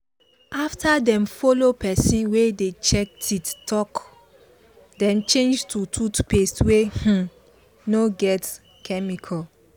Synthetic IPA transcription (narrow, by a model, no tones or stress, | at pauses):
aftadɛ̃mfɔlopɛsĩnwedet͡ʃɛk̚tʰittːɔk | dɛ̃mt͡ʃẽnd͡ʒtutʰutpestweh̩ | noɡɛt | kʰɛmikʰɔl